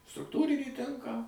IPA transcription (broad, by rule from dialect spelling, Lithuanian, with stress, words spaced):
strʊkˈtuːrʲɪnʲiː ˈtʲɪŋkɑː